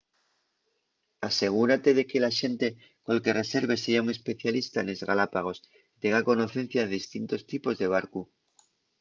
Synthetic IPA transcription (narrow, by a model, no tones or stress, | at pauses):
ase̞ɣ̞uɾat̪e̞ðe̞kelaʃe̞nt̪e | kolke̞re̞se̞ɾβe̞seɾauŋe̞spe̞θjalist̪aene̞zɣa̰lapaɣ̞o̞s | t̪eŋɡako̞no̞θe̞n̟θjaðeðist̪int̪o̞st̪ipo̞zðe̞β̞aɾku